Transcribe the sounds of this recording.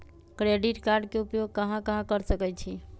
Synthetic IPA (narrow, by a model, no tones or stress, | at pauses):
kɾeɖiʈkaɾɖkeupjoɡ̚kəɦãkəɦãkəɾsəkɛjt͡ʃʰi